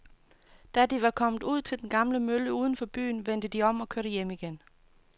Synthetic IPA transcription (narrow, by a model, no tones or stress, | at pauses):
d̥æd̥iʋɑ̈kʰɒ̽m̰ð̩ˠuð̞̰ˠt͡sʰe̝ld̥enɡ̥ɑ̈mləmøləuːð̞ˠn̩fɒ̽b̥y̰ːnʋen̰d̥əd̥iɒ̽m̰ɒ̽kʰøɐɾ̥əjemiɡ̥en